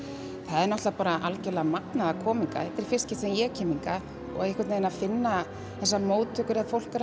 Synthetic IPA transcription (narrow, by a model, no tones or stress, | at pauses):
θaðɛɾnɔht̪apaːɾaʔalcɛlɛːɣamaknaðakʰɔːmiŋka̰ɛt̪ɪɾ̥fɪr̥scɪ̥ht̪sɛmjɛɣcʰɛːmiŋka | ɔ̰ɣaðɪhkvaɾt̪nenafɪnːa | θɛsːamoːwt̪ʰʏkʏɾɛðfowl̥kaɾ